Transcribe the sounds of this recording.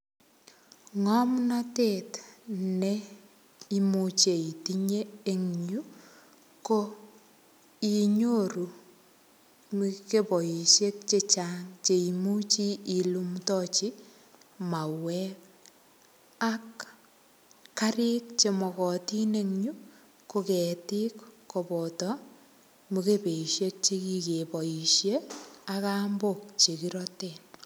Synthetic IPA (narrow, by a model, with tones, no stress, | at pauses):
ŋɔ˦mnatetne | i˦mut͡ʃe˨i˨ti˦ɲeː˦ŋɲu˦ | ko˦ | i˨ɲo˦ɾu˨ | mke˦pɔ˨ji˨ʃe˦k̚t͡ʃe˦t͡ʃaŋt͡ʃe˨i˨mu˦t͡ʃi˦i˨lumtɔ˦t͡ʃi˦ | ma˨wɛ˦k | a˦k | a˦ɾɪ˦k̚t͡ʃe˨mɔ˨kɔ˨ti˦ne˦ŋɲu˦ | ko˦kɛ˨ti˦kː | ɔ˨pɔ˨tɔ˦ | mu˨ke˦pe˨iʃje˦k̚t͡ʃe˦ki˨ke˨pɔ˨ji˨ʃje˦a˦ka˦mbok̚t͡ʃe˨ki˦ɾɔte˨n